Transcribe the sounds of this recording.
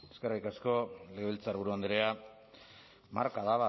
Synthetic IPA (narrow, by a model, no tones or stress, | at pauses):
eskerajkasko̞leɣelt͡saɾβuɾuand̪eɾea | ma̰ɾkaðaβa